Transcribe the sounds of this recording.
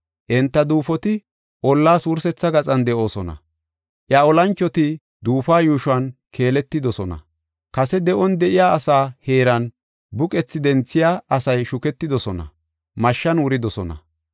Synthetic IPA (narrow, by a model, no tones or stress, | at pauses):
ʔɛnt̪ːɐd̪uːfɔt̪ɪ | ʔɔlːaːsuːɾsɛt͡sːɐɡɐt͡sʼɐnd̪ɛʔo̞ːsɔnɐ̰ | ʔjɐɔlɐnt͡ʃːɔt̪ɪ | d̪uːfaːjuːʃʊɐn | kʰe̞ːlɛt̪ːɪd̪ɔsɔnɐ̰ | kɐsɛd̪ɛʔɔnd̪ɛʔɪjaːsaːheːɾɐn | bʊkʼɛt͡sːɪd̪ɛnt͡sːɪjaːɐsɐjʃʊkɛt̪ːɪd̪ɔsɔnɐ̰ | mɐʃːɐnwʊɾɪd̪ɔsɔnɐ̰